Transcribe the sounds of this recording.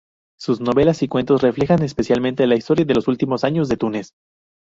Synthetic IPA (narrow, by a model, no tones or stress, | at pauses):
suzno̞βe̞lasikwe̞nt̪o̞sre̞fle̞xanespe̞sjalmẽnt̪e̞laist̪o̞ɾjaðe̞lo̞sult̪imo̞saɲo̞zðe̞t̪unes